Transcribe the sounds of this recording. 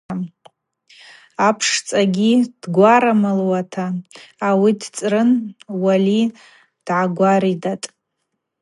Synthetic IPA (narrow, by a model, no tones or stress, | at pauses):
apʰʂt͡sʼaɡʲid̥ɡʷaɾamɨlwatʰaː | widt͡sʼrɨnwali | d̥ʕaɡʷaɾidatʼ